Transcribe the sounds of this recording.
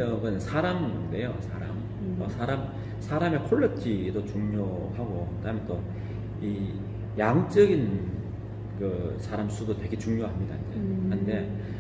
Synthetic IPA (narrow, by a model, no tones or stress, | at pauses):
oɡʌnnsʰaɾamde̞jo̰sʰaɾa̰m | ʌsʰaɾam | sʰaɾame̞kʰoɭːʌtʰidot͡ɕuŋɲohaɡoɯtamjʌnt͈o | i | jaŋt͡ɕ͈ʌɡin | kɯsʰaɾams͈ʰudotwe̞ɡe̞t͡ɕuŋɲjoɦamɲida̰ind͡ʑḛhɯnde̞